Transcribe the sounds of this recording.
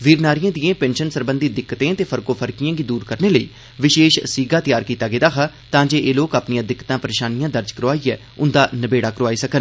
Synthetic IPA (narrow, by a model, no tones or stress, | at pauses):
ʋiːɾnaːɾijãːd̪ɪjẽːpɛ̃ːnʃənsəɾbənd̪iːd̪ɪkːt̪ẽːt̪eːpʰəɾkoːpʰəɾkijãːɡiːd̪uːɾkəɾneːləḭː | ʋɪʃeːʃsiːɡaːt̪ɪjaːɾkiːt̪aːɡeːd̪aːɦʰaː | t̪ãːd͡ʒeːʔeːloːkaːpnijãːd̪ɪkːt̪ãːpəɾeːʃaːnijãːd̪əɾd͡ʒkəɾoaːiːɛː | ʊnd̪aːnəbeːɽaːkəɾoaːiːsəkən